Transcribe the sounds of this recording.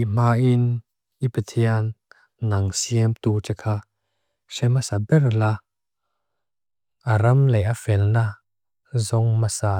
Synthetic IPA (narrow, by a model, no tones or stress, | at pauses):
im̥aʔin | ʔipɐt̪ʰian | nɐŋsiəmt̪uːt͡ʃɛkʰa | sɛmasabɛrla | ʔaɾɐmlɛʔafɛlna | zɔŋmasa